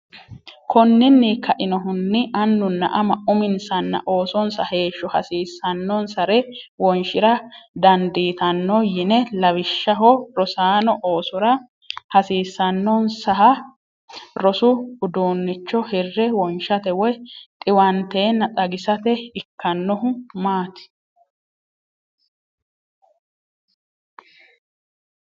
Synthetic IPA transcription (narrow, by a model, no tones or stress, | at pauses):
kʰɔnːɪnːiːkʰːɐʔɪnɔɦʊnːɪʔɐnːʊnːɐ̰ʔɐmɐʔʊmɪnsɐnːɐ̰ʔo̞ːsɔnsɐhe̞ːʃːɔhɐ̰siːsːɐnːɔnsɐɾɛwɔnʃɪɾɐd̪ɐnd̪iːt̪ɐnːɔjɪnɛlɐwɪʃːɐɦɔɾɔsaːnɔʔoːsɔɾɐ | hɐsiːsːɐnːɔnsɐɦɐ | ɾɔsʊʊd̪oːnːɪt͡ʃːɔhɛrːɛwɔnʃɐt̪ɛwɔjt̪ʼɪwɐnt̪e̞ːnːɐtʼɐɡɪsɐt̪ɛɪkːɐnːɔɦʊmaːt̪ɪ̥